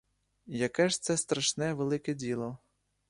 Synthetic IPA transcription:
jɐkɛʒt̪sɛst̪ɾɐʃnɛʋelˠɪkɛdʲilˠɔ

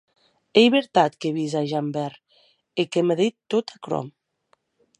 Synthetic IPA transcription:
ejβeɾt̪at̪keβizaʒambɛɾ | ekemeðet̪ːot̪akɾo̰m

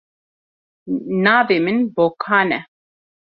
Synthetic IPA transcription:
naːvemɨnboːkʰaːnɛ

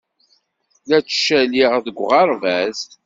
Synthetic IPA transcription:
læt͡sːʃæliʁðəɡʷʁɑɾˤvæz

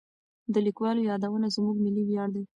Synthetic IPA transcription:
d̪əlikwɑlojɑd̪awənazmuɡmiliwjɑɽd̪i

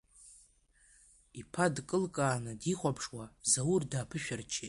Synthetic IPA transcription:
ipʰadkʼɨlkʼaːnɨdiχʷapʰʂwazawurdaːpʰɨʃᶣart͡ʃʰe

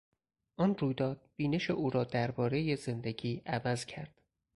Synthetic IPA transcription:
ʔɒnruːjd̪ɒːd̪̥̚b̥iːne̞ʃe̞ʔuːɾɒːd̪æɾbɒːɾe̞je̞ze̞nd̪e̞ɡiːʔævæzcʰæɾd̪̥

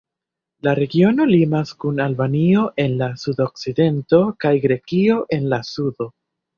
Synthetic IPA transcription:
laɾe̞ɡio̞no̞limaskunalbanio̞ʔe̞nlasudo̞k̚side̞nto̞kajɡɾe̞kio̞ʔe̞nlasudo̞

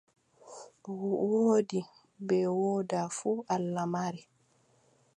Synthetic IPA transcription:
wuʔwoːdi | bɛwoːdafuːʔalːamaɾɛ

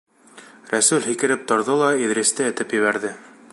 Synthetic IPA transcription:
ɾæsʉlʲɦikɘ̆ɾɘp̚t̪ŏɾðɤlˠɑiðɾʲĕst̪ɘɘ̆t̪ɘpjɘ̆βæɾðɘ

